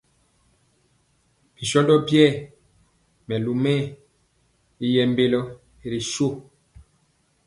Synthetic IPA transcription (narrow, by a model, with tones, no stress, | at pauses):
b̥i˨ʃɔ˦ndɔ˦bjɛ˦˨ | mɛ˨lu˨mɛ̃˦˨ | i˦jɛ˨mbe˦lɔ˦ | i˨ɾi˨ʃo˦˨